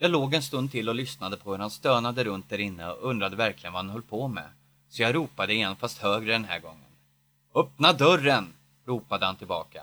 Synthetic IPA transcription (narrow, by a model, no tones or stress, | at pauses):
jɑːloːɡɛnst̪ɵnd̪̚t̪ʰɪlːɔlʏsnad̪əpʰɔhɵɾhanst̪øːnad̪əɾɵnt̪̚d̪æɾɪnːəɔ̰ʔɵnd̪ɾad̪əvæɾklɪɡənvahanɦœlːpʰɔmɛ̰ | sɔjaɾuːpad̪əɪɛnfast̪høːɡɾəd̪ɛnɦæ̰ːɾɡɔŋːən | œp̚nad̪œrːən | ɾuːpad̪əhant̪ʰɪlbɑ̰ːka